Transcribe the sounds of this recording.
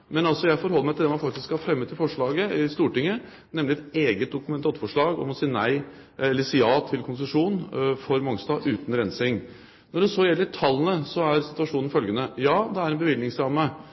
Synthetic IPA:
mɛnɑlsɔjæɪfɔɾɦɔlːəmæɪt̪ɪd̪ɛmɑnfɑk̚t̪ɪskhɑɾfɾɛmːət̪ɪfɔʂɭɑːɡəɪst̪uːʈɪŋːə | nɛmlɪɛt̪eːɡət̪̚d̪ʊkʉmɛnt̪ʰɑt̪fɔʂɭɑːɡɔ̰mɔsiːənæɪ | ɛlːəsiːɑːt̪ʰɪlkʰʊnsəʂuːnfɔɾmɑŋst̪ɑʔʉːt̪nɾɛnsɪŋ | nɔɖɛsoːjɛlːəɾɪt̪ʰɑlːənəsɔæɾsɪt̪ʉʋɑʂuːnn̩fœlɡənəjɑːd̪ɛæɾɛnbəʋɪldnɪŋsɾɑːmːə

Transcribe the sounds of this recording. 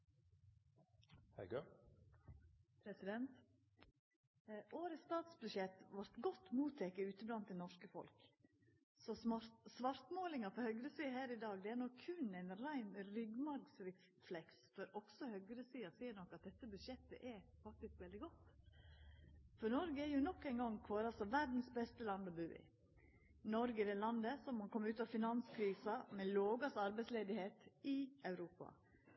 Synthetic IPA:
hɛ̰ɡø | pʰɾɛsɪd̪ɛnt̪ | ʔoːɾəst̪ɑːt̪sbʉʃɛt̪ʋɑɾt̪ɡɔt̪ːmuːt̪ʰɛkəʉːt̪əblɑnt̪̚d̪ɛnɔʂkəfɔ̰lk | sɔsʋɑɾt̪moːlɪŋɑfɔɾhœɡɾəsiːəhæːɾɪd̪ɑːɡd̪ɛæɾnɔkʰːʉnæɪnɾæɪnɾʏɡmɑɾɡsɾɛ | flɛksfɔɾɔksɔhœɡɾəsiːɑsiːəɾnɔkːɑt̪̚d̪ɛt̪ːəbʉd̪ʂjɛt̪ːə̰ʔɛɾfɑk̚t̪ɪskʋɛld̪ɪɡɔt̪ː | fɔɾnɔɾɡəɛɾjʊnɔkːæɪŋɡɔŋkʰʋɑːɾəɑlsɔʋæɾd̪n̩sbɛst̪əlɑnd̪ɔbʉːɪ̰ | nɔɾɡəd̪ɛlɑnd̪əsɔmhɑkʰɔmːʉːt̪ɑʋfɪnɑnskʰɾiːsɑmɛloːɡɑsɑɾbɛɪsleːd̪ɪheːt̪ɪɑʉɾuːpɑ̰

